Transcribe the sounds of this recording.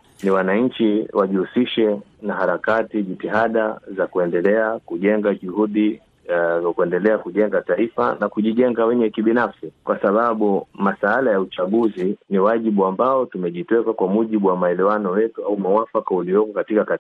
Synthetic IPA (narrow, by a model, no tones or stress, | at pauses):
niwanaɲ̩t͡ʃiwaʄihusiʃɛnahaɾakatiʄitiɦaɗazakuɛndɛlɛakuʄɛŋɡaʄuhuɗi | kuɛndɛlɛakuʄɛŋɡataifa̰nakuʄiʄɛŋɡawɛɲɛkiɓinafsikwʔasaɓaɓumasaalajaut͡ʃaɠuziniwaʄiɓuambaɔtumɛʄitɛkakwamuʄiɓuwamaɛlɛwanɔjɛtuaumawafakauliɔkɔkatikaka